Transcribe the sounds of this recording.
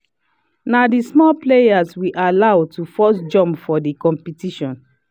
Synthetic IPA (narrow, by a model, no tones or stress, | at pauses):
nadismɔplejaswiʔalawtufɔsd͡ʒɔ̃mpfɔdikɔ̃mpitiʃɔ̃n